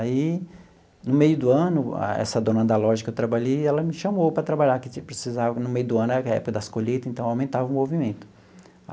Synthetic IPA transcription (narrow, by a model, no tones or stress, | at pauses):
ai | nʊmejʊd̪ʊɐ̃nʊa̰ɛ̰sɐd̪õnɐ̃nd̪alɔʒɐkewt̪ɾabaʎejɛlɐmɪʃɐmowpɾɐt̪ɾabaʎakɪpɾesizavɐnʊmejʊd̪ʊɐ̃nʊɛɾɐkaɛ̰pʊkɐd̪ɐskoʎet̪ɐẽnt̪ɐ̃w̃awmẽnt̪avɐũmovimẽnt̪ʊ̥